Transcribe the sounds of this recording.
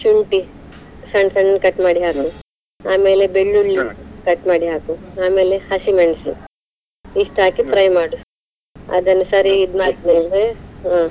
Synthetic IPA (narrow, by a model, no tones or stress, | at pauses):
t͡ʃuɳʈisɐɳsɐɳɖɐnkɐʈːmaːɽiɦaːku | aːme̞ːlebeɭːulːikɐʈːmaːɽiɦaːkuaːme̞ːlehɐsimɐɳsḭ | iʂʈɦaːkipʰɾɐjmaːɽu | ɐ̰d̪ɐnːɐsɐɾiːd̪maːt̪̚neʋeaː